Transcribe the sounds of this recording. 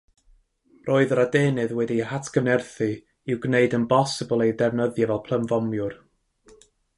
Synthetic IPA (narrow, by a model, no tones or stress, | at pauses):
rʔoːɨðəɾadeːnɨðwɛdiəhatʰɡənɛrθɨ | ɪwɡneɨdənbɔsɨbəlˠejdɛvnəðjavɛlˠpʰl̥ˠəmvɔmjʊr